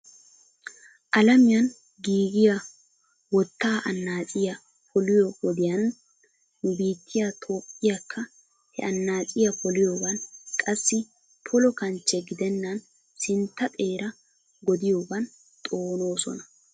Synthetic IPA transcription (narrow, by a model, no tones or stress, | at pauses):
ʔɐlɐmɪjɐn | ɡiːɡɪjɐ | wɔt̪ːaːʔɐnːaːt͡sʼɪjɐ | pʰɔlɪjɔwɔd̪ɪjɐnː | ʊbiːt̪ʰːɪjat̪ʰoːpʼːɪjɐkʰːɐ | hɛ̰ʔɐnːaːt͡sʼɪjɐpɔlɪjoːbɐnkʼɐsːɪ | pʰɔlɔkɐnt͡ʃːɛɡɪd̪ɛnːɐn | sɪnt̪ːɐt̪ʼe̞ːɾɐ | ɡɔd̪ɪjobɐn | t̪ʼo̞ːno̞ːsɔ̰nɐ